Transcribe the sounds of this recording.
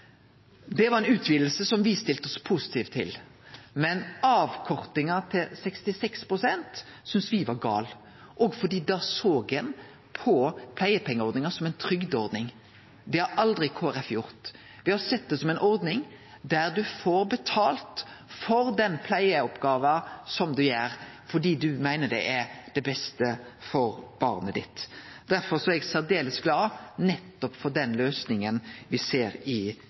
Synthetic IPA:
d̪ɛʋɑɾʁɛɪnʉːt̪ʰʋid̪l̩səsɔmʋɪst̪ɪlt̪ɔspʰusɪ̥t̪ʰiːft̪ʰːɪ̰l | mɛnɑːʋkʰɔʁt̪ɪŋɑt̪ʰɪlsɛkst̪ɪsɛkspʁʊsɛnt̪sʏnsʋɪʋɑɡɑ̰ːl | ʔɔɡfɔd̪iːd̪ɑːsoːɡɛn | pʰɔpʰlæɪəpʰɛŋːəɔɾd̪nɪŋɑsɔmɛɪnt̪ʰɾʏɡd̪ɔʁd̪nɪŋ | d̪ɛhɑɾʔɑld̪ʁɪkʰoːæɾɛfjʊʁt̪ | ʋɪhɑɾsɛt̪̚ːd̪ɛsɔmɛɪnʔɔɾd̪nɪŋ | d̪æɾd̪ʉfoːɾbət̪ʰɑːlt̪fɔɾd̪ɛnpʰlæɪəɔpɡɑːʋəsɔmd̪ʉjæːɾfɔɖiːd̪ʉmæɪnəɖ̪ɛʔæd̪ɛbɛst̪əfɔɾb̥ɑːɾnəd̪ɪ̰t̪d̪̥æɾfɔɾsɔɛɡseːɾd̪eːləsɡlɑːnɛt̪ːɔpfɔɾɖ̪ɛnløːsnɪŋənʋɪseːɾɪ

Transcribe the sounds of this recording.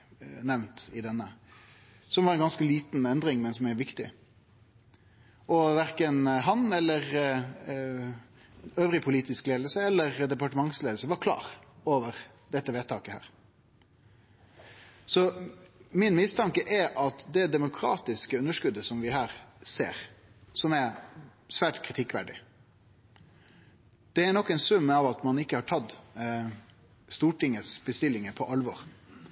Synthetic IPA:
nɛʋnt̪ɪd̪ɛnːə | sɔmʋɑɾɛnɡɑnskəliːt̪nɛnd̪ɾɪŋmɛnsɔmɛʋɪkt̪ɪ | ɔʋæɾkənɦɑnɛlːəʁ | øːʋɾɪpʰʊliːt̪ɪskleːd̪l̩səɛlːəʁd̪ɛpɑʈəmɑŋsleːd̪l̩səʋɑɾkʰlɑ̰ːɾoːʋəɾ | d̪ɛt̪ːəʋeːt̪t̪ʰːɑːkəhæ̰ːʁ | sɔ | mɪnmɪst̪ʰɑŋkəʔɛɾʔɑt̪d̪ɛd̪ɛmʊkʰɾɑ̰ːt̪ɪskəʉnːəʂkʉd̪ːəsɔmʋɪhæːɾsḛːɾ | sɔmæsʋæːʈkʰɾɪt̪ʰɪkːʋæɖɪ | d̪̥ɛæɾnɔkːɛnsʉmːəɑʋɑt̪mɑnɪkːəhɑʈʰɑd̪ | st̪uːʈɪŋəsb̥əst̪ɪlːɪŋəpʰɔʔɑlʋɔɾ

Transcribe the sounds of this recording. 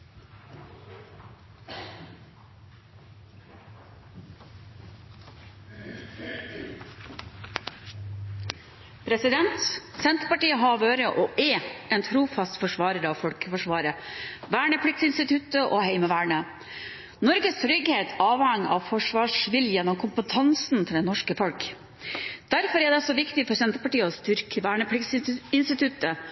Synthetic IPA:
pʰɾɛsɪd̪ɛnt̪sɛnt̪ɾəpɑʈiːəɦɑːʋoːɾəʔoːʔɛeːnt̪ʰɾuːfɑst̪fɔʂʋɑːɾəɾɑːʋfɔlkə̥fɔʂʋɑːɾəʋæːɳəpʰlɪk̚t̪sɪnst̪ɪt̪ʰʉt̪əʔoːhɛɪməʋæːɳə | nɔɾɡəst̪ʰɾʏɡheːt̪ʰɑːʋhɑŋːɑ̰ːʋfɔʂʋɑːʂʋɪljəjɛnːɔmkʰʊmpət̪ʰɑnsnt̪ʰɪld̪ɛnɔʂkəfɔlk | d̪̥æɾfɔɾɛd̪ɛsɔʋɪkt̪ɪfɔɾsɛnt̪əɾpɑʈiːəɔst̪ʏɾkʰəʋæːɳəpʰlɪksɪnst̪ɪt̪ʰʉt̪ːə

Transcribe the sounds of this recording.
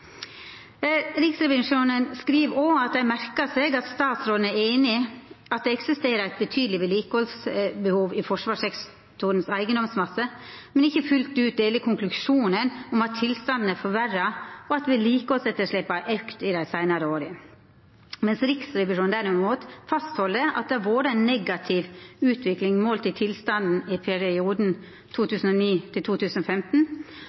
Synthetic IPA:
ɾɪksɾɛʋɪʂuːnənskɾiːʋɔɑt̪̚d̪æɪmæɾkɑseːɡɑt̪st̪ɑːt̪sɾoːlənæeɪnɪɑt̪̚d̪ɛɛksɪst̪eːɾəæɪt̪̚bət̪ʰyːd̪lɪʋɪliːkəɔlsbəhuːʋɪfɔʂʋɑːʂɛk | t̪ʊɾənsæɪɡənd̪ɔmsmɑsəmɛnɪçːəfʉlt̪ʉːt̪̚d̪eːləkʰʊŋklʉʂuːnənɔmɑt̪ʰːɪlst̪ɑnd̪nəfɔʋærɑɔɑt̪ʋɪliːkəɔsɛt̪ːəʂɭɪpːɑʔɑʉkt̪ɪd̪æɪsæɪnɑɾəoːɾɪ | mɛnsɾɪksɾɛʋɪʂuːnd̪æɾɪmuːt̪fɑst̪hɔlːəʔɑ̰t̪̚d̪ɛæʋoːɾəæɪnːɛɡɑt̪ʰɪʋʉːt̪ʰʋɪklɪŋmoːlt̪ɪt̪ʰɪlst̪ɑnd̪n̩ɪpʰɛɾɪɪuːd̪n̩ | t̪ʰuːt̪ʰʉːsn̩ɔniːt̪ʰɪlt̪ʰuːt̪ʰʉːsn̩ɔfɛmt̪n̩

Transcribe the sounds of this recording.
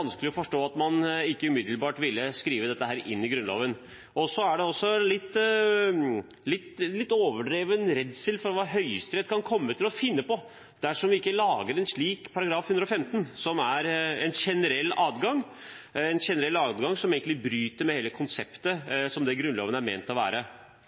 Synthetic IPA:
ɑnskəlɪɔfɔʂʈoːɑt̪mɑnɪkːəʉmɪd̪l̩bɑːʈʋɪlːəskɾiːʋəd̪ɛt̪ːəhæːɾɪ̰nːɪɡɾʉnlo̰ːʋən | ɔsɔæɖɛɔsːɔlɪt̪ː | lɪt̪ːlɪt̪ːoːʋəɖɾeːʋənɾɛd̪səlfɔɾɔʋɑɦœʏst̪ɾɛd̪kʰɑnkʰɔmːət̪ʰɪlɔfɪnːəpɔ | d̪̥æʂɔmʋɪɪkːəlɑːɡəɾɛnʂɭiːkpʰɑɾɑɡɾɑːfhʉnd̪ɾɔfɛmt̪nsɔmæɾɛnʃɛnəɾɛlːɑːd̪ɡɑŋ | ɛnɕɛnəɾɛlːɑːd̪ɡɑŋsɔmeːɡəɪbɾyːt̪əɾmɛheːləkʰʊnsɛpt̪əsɔmd̪ɛɡɾʉnlo̰ːʋənæɾmeːnt̪ɔʋæ̰ːɾə

